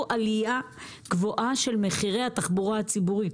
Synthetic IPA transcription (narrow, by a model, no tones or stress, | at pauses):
ʔalija | ɡ̥voʔaʃe̞lme̞χiʁe̞jhataχbuʁahat͡sibuʁit